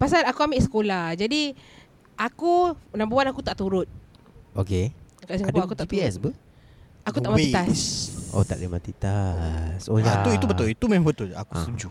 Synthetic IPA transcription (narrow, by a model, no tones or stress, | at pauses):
pas̬alakuamɪʔsə̥kolahd͡ʒadi | akunabuwanakut̪aʔt̪uɾʊt̪̚ | okekaʔsiadpuakut̪ait̪piɛsbə | akut̪aʔmãit̪aso̰t̪a̰ʔdəmat̪it̪asojat̪uiubəʊlit̪umemabət̪ʊla̰kust̪uɲd͡ʒu